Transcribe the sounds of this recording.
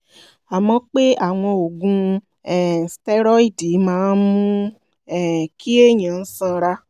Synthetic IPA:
a˨mɔ̃˧˦k͡pe˦a˦˨w̃ɔ̃˧o˨ɡũ˧ | ɛ˦˨stɛ˦ɾɔ˦i˦˨di˨˦mãː˦˧n˦mũ˦ | ɛ˦˨kʰi˦e˦˨ɲã˨n̩˦sã˧ɾa˧

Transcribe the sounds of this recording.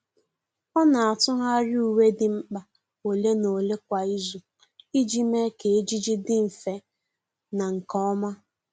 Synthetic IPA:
ɔ˦na˨a˨tʊ˦ɦa˦ɾɪ˦u˨we˦dɪ˨ŋ͡m̩˦k͡pa˨ | o˨le˦no˨le˦k̚ʷa˨i˦zu˨ | i˦d͡ʒi˦me˦ke˨e˦d͡ʒi˦d͡ʒi˦dɪ˦m̩˨fe˨ | na˨ŋ̩˨kɔ˦ɔ˦ma˦

